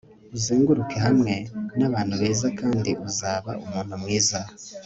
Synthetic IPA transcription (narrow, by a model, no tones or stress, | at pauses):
uziːŋɡuɾuke̞hamŋe̞naβaːn̥huβeːzakaːndiʔuzaːβa̰umuːn̥humŋiːza